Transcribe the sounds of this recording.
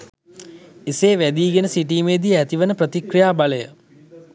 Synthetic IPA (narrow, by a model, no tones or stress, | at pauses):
iseːʋæd̪iːɡenəsiʈ̬iːmeːd̪iæt̪iʋənəprət̪ikrijaːbaləjə̰